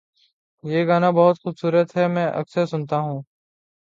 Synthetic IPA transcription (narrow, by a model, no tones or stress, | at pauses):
jeːɡaːnabɔɦʊt̪xʊbsuːɾət̪ɦɛmɛ̃ːʔɐ̰ksəɾsʊnt̪aɦũː